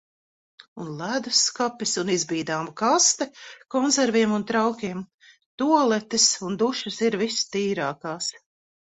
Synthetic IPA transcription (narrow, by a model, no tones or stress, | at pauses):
unlˠæd̪uskapisunizbiːd̪aːmkast̪ɛkɔnzɛɾviɛmunt̪ɾawkʲiɛm | t̪uɔlˠɛt̪isund̪uʃɐsiɾvist̪iːɾaːkaːs